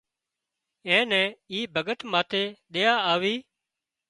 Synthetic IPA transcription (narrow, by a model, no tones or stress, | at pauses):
ɛ̃ːnɛ̃ːiːbʱəɠət̪maːt̪ʰeːɗ̪eːaːaːʋiː